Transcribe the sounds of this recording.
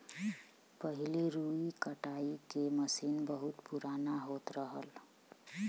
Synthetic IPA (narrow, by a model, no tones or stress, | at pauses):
pəɦileɾuikəʈaikeməsinbəɦut̪puɾanaɦot̪ɾəɦəl